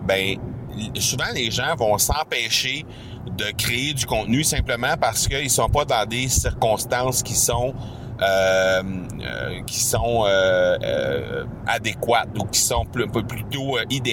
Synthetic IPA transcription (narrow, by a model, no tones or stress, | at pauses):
bɛ̃ | suvãleʒãvɔ̃sɑ̃pɛːʃe | d̪əkʁeːd͡z̪ykɔ̃t̪nysɛ̃pləmãpaʁsə̥kəilsɔ̃pɔd̪ɑ̃d̪esiʁkɔ̃st̪ɑ̃skʲisɔ̃ | øm | ø̰kʲi̥sɔ̃ø̰ | ad̪ekwat̪ukʲi̥sɔ̃ppplyt̪oʔid̪e